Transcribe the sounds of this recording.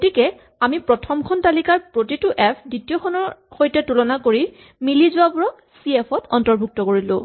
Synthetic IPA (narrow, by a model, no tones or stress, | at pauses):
ɡotikɛ | amipɹɔtʰɔmkʰɔntalikaɹpɹotituʔɛpʰditijɔxʰɔnɔɹxojtɛtulɔnakoɹi | milizʊwapʊɹɔ | siɛpʰɔtɔntɔɹbʱuk̚tɔkoɹilʊ̰̃